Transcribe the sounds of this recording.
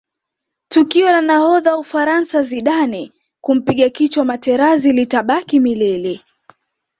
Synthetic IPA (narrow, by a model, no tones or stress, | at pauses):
tukiɔlanahɔðaufaɾansaziɗanɛ | kum̩piɠakit͡ʃwamatɛɾazilitaɓakimilɛlɛ